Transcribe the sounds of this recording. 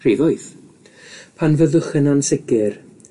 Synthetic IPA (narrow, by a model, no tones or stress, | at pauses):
r̥iðɔjθ | pʰanvəðəχɪnansɪɡɪr